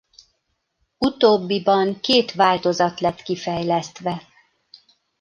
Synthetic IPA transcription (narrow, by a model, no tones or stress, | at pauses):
ut̪oːbːibɒŋkeːt̪ʋaːlt̪o̞zɒt̪lɛt̪kifɛjlɛst̪ʋɛ